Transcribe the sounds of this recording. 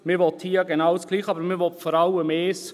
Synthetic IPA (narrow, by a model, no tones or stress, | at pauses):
mɪʋɔt̪hiːəɡenawsɡ̥liːχɑbəɾmɪʋɔt̪fɔɾɑləmeːs